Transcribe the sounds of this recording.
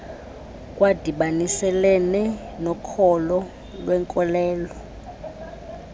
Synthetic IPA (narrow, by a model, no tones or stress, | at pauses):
kʼwad̥ʱiɓanisɛlɛnɛ | nɔkʰɔlɔ | lwɛŋkʼɔlɛːlɔ